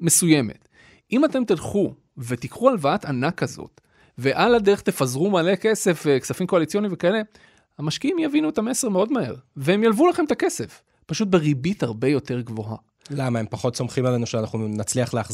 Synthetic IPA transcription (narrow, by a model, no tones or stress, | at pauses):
me̞suje̞mḛt̪ | imate̞mt̪ilχu | ve̞t̪ikχualvaat̪anakazo̞̰t̪ | ve̞ʔalade̞ʁeχt̪e̞fazʁumale̞ke̞se̞fveksafimko̞alit͡sjo̞nimvekae̞le̞ | amaʃkiimjavinuetame̞seʁmeo̞dmahe̞̰ʁvehemjalvulaχemetake̞se̞f | paʃut̪̬̚be̞ʁibithaʁbe̞jo̞te̞ʁɡvo̞ɦa̰ | lamaempaχo̞tso̞mχimalenuʃeanaχnunat͡sliaχleaχ